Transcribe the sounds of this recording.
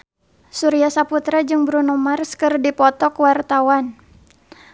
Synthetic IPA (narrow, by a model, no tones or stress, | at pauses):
suɾiasaput̪ɾad͡ʒɨŋbɾunumarskɨrdipɔt̪ɔkwart̪awan